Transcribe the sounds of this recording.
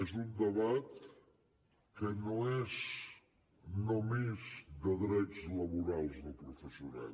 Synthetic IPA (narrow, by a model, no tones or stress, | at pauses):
ezund̪əβat̪ | kənoɛz | nomezd̪əðɾɛt͡sləβuɾalˠzðəpɾufəsijuna̰